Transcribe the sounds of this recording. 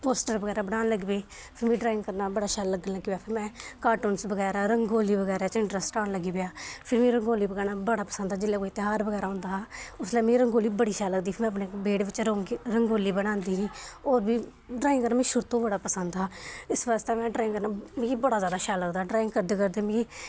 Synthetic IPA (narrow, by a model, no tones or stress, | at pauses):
poːsʈəɾbəɡɛːɾaːbəɽnaːnləɡiːbeː | pʰɪɾmĩːɖɾaːɪ̃ŋɡkəɾnaːbəɽaːʃaːlːəɡənləɡiːbjaːpʰɪɾmɛ̃ːkaːɾʈoːnsbəɡɛːɾaːɾəŋɡoːliːbəɡɛːɾaːt͡ʃɪ̃ɳʈɾəsʈaːnləɡiːbjaːpʰɪɾmĩːɾəŋɡoːliːbəɡɛːnaːbəɽaːpəsə̃nd̪aːd͡ʒɪlːeːkoːit̪ɪɦaːɾbəɡɛːɾaːɦʊ̃nd̪aːɦːʊslɛːmẽːɾəŋɡoːliːbəɽiːʃaːlːəɡd̪iːpʰɪɾmɛ̃ːəp̬neːbeːɽʋɪt͡ʃːɾəŋɡoːliːbəɽãːnd̪iːɦĩːoːɾbiː | ɖɾaːɪ̃ŋkəɾnaːmĩːʃʊɾt̪õːbəɽaːpəsənd̪ɦaːɪsʋaːst̪eːmɛ̃ːɖɾaːɪ̃ŋkəɾnaːmibəɽaːzaːd̪aːʃaːlːəɡd̪aːɖɾaːɪŋɡkəɾd̪eːkəɾd̪eːmĩiː